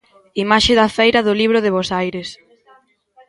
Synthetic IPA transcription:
imaʃeðɐfejɾɐðʊliβ̞ɾʊðeβosajɾes

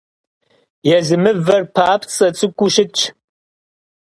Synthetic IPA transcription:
jɛzɨmɨvɐrpʰaːpʰt͡sʼɐt͡sʼɨkʷʼʊʃɪt͡ʃʼʰ

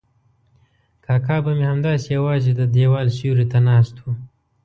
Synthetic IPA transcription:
kɑːkɑːbamehamd̪ɑːsijawɑːzid̪əd̪ewɑːlsjuɾit̪anɑːst̪wu

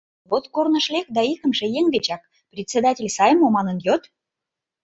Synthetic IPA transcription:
βot̪kornə̆ʃlʲek̚d̪ɑikə̆mʃĕjeŋd̪ʲet͡ɕɑk̚ | prʲet̪ʲt͡sʲed̪atʲelʲsɑjəmomɑnə̆njøt̪

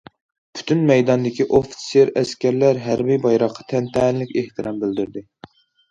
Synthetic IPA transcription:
pʰy̥t̪ʰynmɛjd̪ɑnd̪ɪkʲiʔofi̥sjeɾɛskʲæɾlæɾɦæɾbijbɑjɾɑqʰːɑ̥t̪ʰɛnt̪ʰɛnɪlɪkʲeht̪ɨɾɑmbɪld̪yɾd̪ɪ

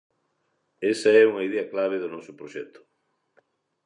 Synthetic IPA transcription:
esaɛuŋɐiðeaklaβ̞eðonɔsʊpɾoʃɛt̪ʊ̥

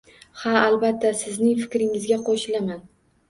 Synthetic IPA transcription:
haalbat̪ʰːasɪznɪŋfɪkʲɾɪŋɪzɡʲaqʰoʃɪlaman

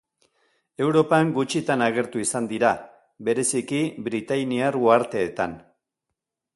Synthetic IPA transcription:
e̞wɾo̞paŋɡut͡ʃit̪anaɣ̞e̞ɾt̪uisand̪iɾa | be̞ɾe̞sikiβɾit̪ajniarɣuaɾt̪e̞ːt̪an

